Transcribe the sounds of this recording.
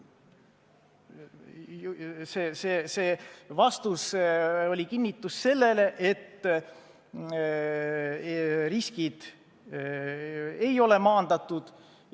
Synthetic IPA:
seseːseːvɑst̪uso̞lʲikinːit̪ːˑusse̞lːe̞le̞ʔet̪ː | riskid̪̥ | e̞jo̞le̞mɑːnd̪̥ɑt̪ːˑud̪̥

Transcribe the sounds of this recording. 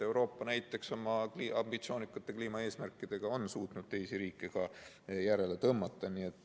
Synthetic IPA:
e̞wɾo̞ːpːˑɑnæjt̪ːˑe̞kso̞mɑkliːʔɑmbit̪sio̞ːnʲikːˑut̪ːˑe̞kliːmɑe̞ːsmærkːˑid̪̥e̞ɡ̥ɑonsuːt̪nud̥̪̚t̪e̞jsiɾiːkːˑeɡ̥ɑ | jæɾe̞le̞t̪ɤmːɑt̪ːˑɑnie̞t̪ˑː

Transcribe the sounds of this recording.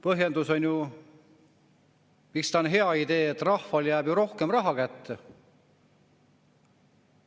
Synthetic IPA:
pɤɦje̞nd̪uso̞nʲju | mikst̪ɑonɦe̞ɑid̪̥e̞ːet̪ːˑrɑhfɑljæːb̥juɾo̞hkemrɑɦɑkæt̪ːe

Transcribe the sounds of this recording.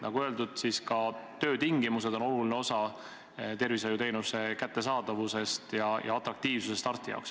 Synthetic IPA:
nʔɑ̰ɡ̥uøld̪ud̪̥siskɑt̪ø̞ːt̪iŋɡimuse̞d̪̥o̞nolulineo̞sɑ | t̪e̞rvisɑjut̪e̞jnuse̞kæt̪ːe̞sɑːd̪̥ɑvuse̞st̪jɑjɑ̰ɑt̪ˑɾɑk̚t̪iːv̥susest̪ɑrt̪ːijɑ̰wks

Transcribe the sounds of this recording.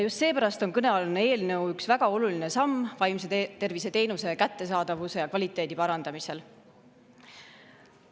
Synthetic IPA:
jjust̪se̞ːpæɾɑst̪o̞nkɤne̞ɑlnːee̞ːlnɤ̞wyksvæɡ̥ɑo̞luline̞sɑmːvɑjmset̪e̞rvise̞t̪e̞ːnuse̞kæt̪ːe̞sɑːd̪̥ɑvuse̞jɑkvɑlʲit̪ːˑe̞ːd̪̥ipɑɾɑnd̪̥ɑmise̞l

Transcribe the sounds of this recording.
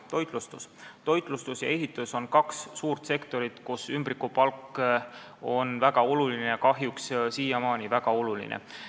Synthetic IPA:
t̪o̞jt̪ˑlust̪ust̪o̞jt̪ˑlust̪usjɑ̰e̞ɦit̪ːˑuso̞nkɑksːuːrt̪se̞kt̪o̞ɾit̪kusymbrikupɑlkː | o̞nvæɡ̥ɑo̞lulinejɑkɑɦjukssiːjɑmɑːnivæɡ̥ɑo̞lulḭnḛ

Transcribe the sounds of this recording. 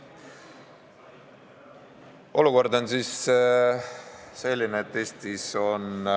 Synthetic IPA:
ʔo̞luko̞rd̪o̞nsiːs | se̞lʲːineːt̪ːe̞ːst̪iso̞n

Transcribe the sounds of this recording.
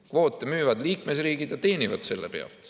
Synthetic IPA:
kvo̞ːt̪ːˑemyːvɑd̪̥liːkmesriːɡ̥id̪̥jɑt̪e̞ːnʲivɑd̪̥se̞lːepe̞ɑ̰lt̪

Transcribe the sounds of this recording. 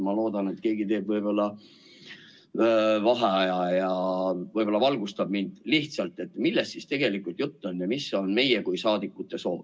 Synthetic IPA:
mɑlo̞ːd̪̥ɑne̞t̪ke̞ːɡit̪e̞ːbvɤjbo̞lːɑ | vɑɦeɑjɑjɑvɤjbo̞lːɑvɑlɡust̪ɑb̥̚mind̪̥liht̪sɑlt̪ːˑe̞t̪ːmilːest̪sist̪e̞ɡ̥e̞likːˑult̪jut̪ːonːjɑmiso̞nme̞jekujsɑːd̪ikːˑut̪ːˑeso̞ːve

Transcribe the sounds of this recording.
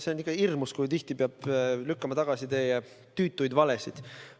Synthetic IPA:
se̞onːikˑːɑirmuskujt̪iht̪ipeɑb̥lykːɑmɑt̪ɑɡ̥ɑsit̪eːjɑ | t̪yːt̪ːˑujd̪vɑlesid̪̥

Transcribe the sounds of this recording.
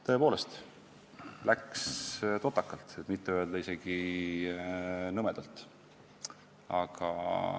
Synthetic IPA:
t̪ɤ̞e̞po̞ːle̞st̪ | lækst̪o̞t̪ːɑkːɑlt̪et̪mit̪ːeøe̞ld̪ɑise̞ɡ̥i | nɤmed̪̥ɑlt̪ | ɑɡ̥ɑ̰

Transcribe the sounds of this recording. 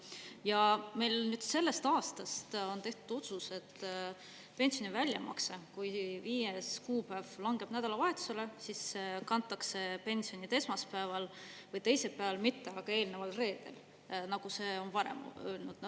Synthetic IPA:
jɑme̞jlnyd̪̥se̞lːe̞st̪ɑːst̪ɑst̪o̞nt̪e̞ht̪ud̪̥o̞t̪suse̞t̪ː | pe̞nsio̞nʲivælʲjɑ̰mʔɑ̰ksekujviːjeskuːpæːvlɑŋɡ̥e̞b̥næd̪̥ɑlɑvɑe̞t̪ːˑu̥se̞lesiskɑnt̪ːˑɑkse̞pe̞nsio̞nit̪e̞smɑspævɑlvɤjt̪e̞jse̞lpæevɑlmit̪ːe̞ɑɡ̥ɑe̞ːlnevɑlre̞ːd̪̥e̞̰l | nɑɡ̥use̞o̞nvɑɾḛmølnud̪n

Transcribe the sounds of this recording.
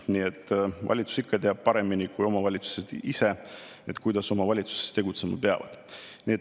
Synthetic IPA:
niet̪ːˑvɑ̰lʲit̪su̥sikːɑt̪e̞ɑb̥̚pɑɾe̞minikujo̞mɑvɑlʲit̪su̥sed̪̥ise̞ | e̞t̪kujd̪ɑso̞mɑvɑlʲit̪su̥se̥st̪ːe̞ɡut̪se̞mɑ̰peɑ̰vɑ̰d̪̥niet̪

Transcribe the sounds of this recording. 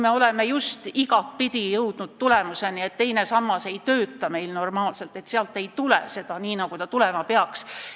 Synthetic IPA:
me̞o̞le̞me̞just̪iɡɑt̪̚pid̪ijɤwd̪̥nud̪̥̚t̪ule̞muse̞nie̞t̪t̪ːe̞jne̞sɑmːɑse̞jt̪øːt̪ːˑɑme̞jlno̞rmɑːlse̞lt̪ːˑe̞t̪seɑlt̪ːˑe̞jt̪ulḛse̞d̪̥ɑniːnɑɡ̥ut̪ɑt̪ulemɑpeɑks

